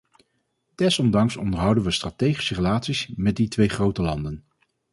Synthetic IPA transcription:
d̥ɛsɔmdɑŋsɔ̰ndəɹɦʌwdənʋəstratejχi̥sərelaːtsismɛditʋejχrowtəlɑndən

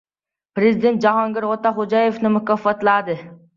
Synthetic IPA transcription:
pɾezɪd̪ent̪̚d͡ʒaɦɒŋɡʲɪɾʁot̪ɑχod͡ʒɑjefnɪmʊkafːat̪lad̪ɪ

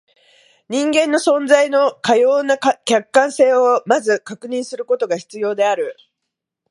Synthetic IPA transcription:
ɲ̟ĩŋɡẽ̞nːo̞sõ̞nd͡zaino̞kajo̞ːnakʲakːãɰ̃se̞ːomazɨkakɯ̟ɲ̟ĩɰ̃sɨɾɯ̟ko̞t̪o̞ɡaçi̥t͡sɨjo̞ːd̪e̞aɾɯ̟

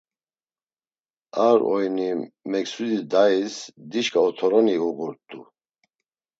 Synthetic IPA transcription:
aɾɔjnimɛksud̪id̪aisd̪iʃkʼaɔt̪ʰɔɾɔniuʁuɾt̪ʼu

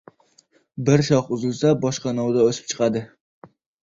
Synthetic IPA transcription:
bɪɾʃɒχʊzɪlsabɒʃqɑnɒwd̪aosɪ̥p̚t͡ʃʰɨ̥qɑd̪ɪ

